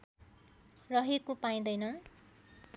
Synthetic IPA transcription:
rʌɦekopaj̃d̪ʌjnʌ

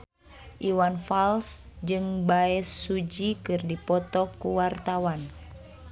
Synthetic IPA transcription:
ʔiwanfalsd͡ʒɨŋbaɛsːud͡ʒikɨrdipɔt̪ɔkuwart̪awan

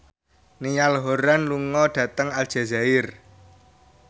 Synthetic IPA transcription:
nijalɦoɾanluŋɔɖ̥ä̤t̪əŋal̥ʒ̥a̤zaɪr

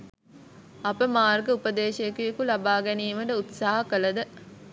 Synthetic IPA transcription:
ɐpəmaːrɡəupəd̪eːʃejekujekulɐbaːɡɛniːʋɐɖəut̪saːɦɐkəlɐd̪ə

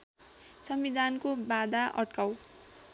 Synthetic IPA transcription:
sʌmbid̪ʱankobad̪aʔʌ̰ʈkaw

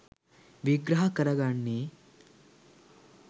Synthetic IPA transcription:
ʋiɡɾɐɦɐkɐɾɐɡaɳːi

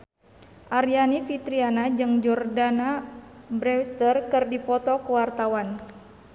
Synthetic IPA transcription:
ʔaɾianifit̪ɾianad͡ʒɨŋd͡ʒɔrdanabɾɛst̪ərkɨrdipɔt̪ɔkuwart̪awan

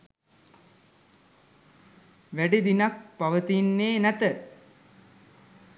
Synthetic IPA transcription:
ʋæɖid̪inak̚paʋət̪inːeːnæt̪ə

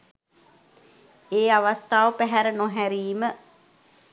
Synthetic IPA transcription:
eːaʋast̪aːʋəpæɦæɾənoɦæɾiːmə

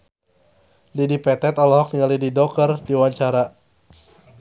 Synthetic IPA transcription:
lidipɛt̪ɛt̪ɔlɔhɔk̚ɲalididɔkərdiwaɲt͡ʃaɾa

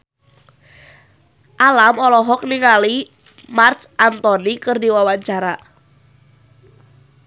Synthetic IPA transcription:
ʔalamɔlɔɦɔk̚niŋali | mart̪sʔant̪ɔnikɨrdiwawaɲt͡ʃaɾa

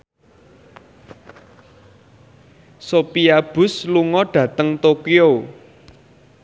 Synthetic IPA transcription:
sopiab̥ʊ̤sluŋɔɖ̥ä̤t̪əŋt̪okio

